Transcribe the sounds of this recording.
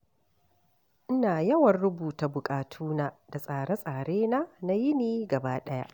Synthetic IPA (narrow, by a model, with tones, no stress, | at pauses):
ʔɪ˦naː˨jɐ˦wɐ˨rɽʊ˦buː˨ta˨bʊ˨kʼaː˨tʰuː˦na˦d̥a˨sʼaː˨ɽa˦sʼaː˨ɽeː˦na˦na˦jɪ˦niː˦ɡɐ˨baː˦ɗɐ˦ja̰˦ʔ